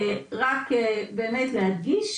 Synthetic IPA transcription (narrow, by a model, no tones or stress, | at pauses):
ʁakbeːmet̪lehadɡiʃ